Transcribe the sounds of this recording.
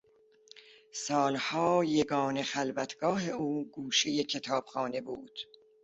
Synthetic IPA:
sɒːlhɒːje̞ɡɒːne̞xælvæt̪ʰɡ̥ɒːɦe̞uːɡuːʃejecʰet̪ʰɒːb̥xɒːne̞buːd̪̥

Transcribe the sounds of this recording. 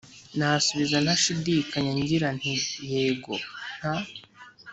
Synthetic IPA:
nasuβizanhaʃidiːkaɲaɲɟiɾan̥ijeːɡo̰n̥ha

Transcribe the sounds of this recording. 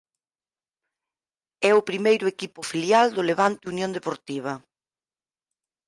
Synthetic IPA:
ɛʊpɾimejɾʊekipʊfiljald̪ʊleβant̪ɪunjõnd̪epoɾt̪iβ̞ɐ

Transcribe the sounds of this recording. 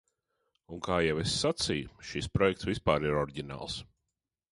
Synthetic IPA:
uŋkaːjɛwesːat̪sijuʃispɾɔjɛkt̪svispaːɾiɾɔɾɟʲina̰ːlˠs

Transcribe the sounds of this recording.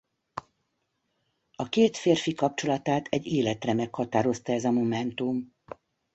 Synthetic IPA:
ɒkeːt̪feːrfikɒp̚t͡ʃo̞lɒt̪aːt̪ʰɛɟːeːlɛt̪rɛmɛkhɒt̪aːɾo̞st̪ɒɛzɒmo̞mɛnt̪um

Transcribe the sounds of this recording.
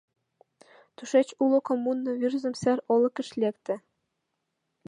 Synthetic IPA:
t̪uʃet͡ɕulokomunːɤ̆virzɘ̆msæɾŏlɤ̆kɘ̆ʃlʲekt̪ɘ̆

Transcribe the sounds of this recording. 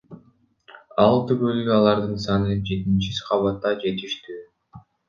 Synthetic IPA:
ɑlˠt̪ykølɡɑlˠɑɾd̪ɯnsɑnɯd͡ʒe̞t̪int͡ʃisqʰɑβɑt̪ːɑd͡ʒe̞t̪iʃt̪y

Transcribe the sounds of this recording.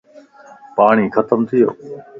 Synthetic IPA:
paːɳ̃iːxʰət̪əmt̪ʰɪjo̰ː

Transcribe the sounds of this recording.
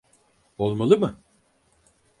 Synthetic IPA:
o̞lˠmalˠɯmɯ

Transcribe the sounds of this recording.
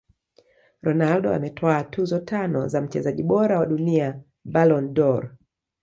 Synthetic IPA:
ɾɔnaldɔa̰mɛtʰɔaːtuzɔtʰanɔ̰zam̩t͡ʃɛzaʄiɓɔɾawaɗunia | balɔndɔɾ

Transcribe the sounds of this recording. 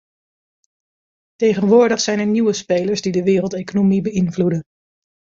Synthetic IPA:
tejχənʋʊːɹdəχsɛjnəɹniʋəspejləɹsdidəʋɪːrəlˠtejkonomibəɪnvludən

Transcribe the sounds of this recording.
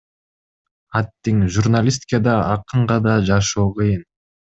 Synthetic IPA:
at̪ːiŋʒurnalʲis̬t̪ʲkad̪ɑɑqɯɴʁɑd̪ɑd͡ʒɑʃoːqɯjɯn

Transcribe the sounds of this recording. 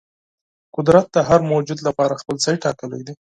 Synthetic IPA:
qʊd̪ɾat̪̚d̪əɦaɾmowd͡ʒud̪lapɑɾaxpəlsɑjʈɑkəla̰jd̪i

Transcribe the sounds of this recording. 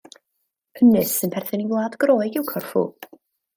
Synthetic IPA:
pʰənɨsɨnpʰɛrθɨniwlˠaːdɡ̥roːɨɡɪwkʰɔrfṵ

